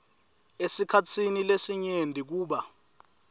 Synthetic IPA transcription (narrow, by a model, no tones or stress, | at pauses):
esikʰat͡sʰinilesiɲendʱik̬uːɓa